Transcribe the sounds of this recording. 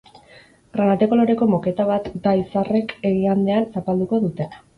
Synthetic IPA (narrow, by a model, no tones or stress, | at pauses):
ɡranat̪e̞ko̞lo̞ɾe̞ko̞moke̞t̪aβ̞at̪d̪aisare̞ke̞ɣiand̪e̞ansapald̪uko̞ðut̪e̞na